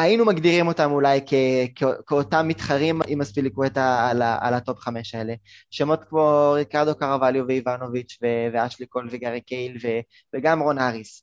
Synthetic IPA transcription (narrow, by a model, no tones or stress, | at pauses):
ainumaɡdiʁimo̞tamulajkekeokeotamːit̪χaʁimimaspilikwetaalaa̰lato̞pχame̞ʃae̞leʃemo̞t̪kmo̞ʁikaʁd̪o̞kaʁavaljoveivano̞vit͡ʃveveaʃliko̞lveɡaʁikejlve̞ | veɡamʁo̞naʁis